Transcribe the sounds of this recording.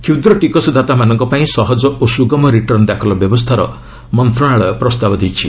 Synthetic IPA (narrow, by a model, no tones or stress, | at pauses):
kʰiwd̪ɾɔʈikɔsɔd̪at̪amanɔŋkɔpaĩsɔɦɔd͡ʒɔosuɡɔmɔɾiʈɔɾnd̪akʰɔlɔbjɔbɔst̪ʰaɾɔ̰ | mɔnt̪ɾɔɽ̃aɭɔpɾɔst̪abɔd̪ijt͡ʃʰi